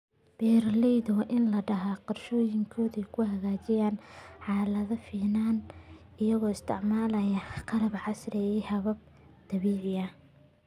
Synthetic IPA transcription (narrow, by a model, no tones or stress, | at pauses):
b̥ɛːrlɛjðwʔɪnlɐɖɐɦaqɔrʃɔːjɪŋkʰɔːðɛjkʰʊɦɐɣaːt͡ʃɪjaːnħɑːlɐðɐfiːnaːn | ɪjɐɣɔːɪst̪ʰɪʕmaːlɐjɐqɑlɐbʕɑsɾɛjɛjhɐβɐb̚ | d̪̥ɐβiːʕɪjɐ